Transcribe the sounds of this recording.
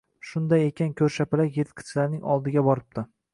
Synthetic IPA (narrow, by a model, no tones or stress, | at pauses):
ʃʊnd̪aje̞kʲankʲʰɵɾʃapɪlajeɾt̪̚kʲʰɪ̥t͡ʃʰlaɾnɪŋɒ̰lˠd̪ɪɡʲabɒɾɪp̚t̪ɪ